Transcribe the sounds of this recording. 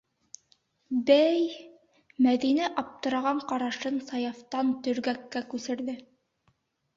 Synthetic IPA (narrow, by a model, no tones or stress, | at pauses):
bæj | mæðinæʔɑp̚t̪ɤ̆ɾɑʁɑɴqɑɾɑʃɤnsɑjɑft̪ɑnt̪ɵ̆ɾɡækːækʉsɘ̆ɾðɘ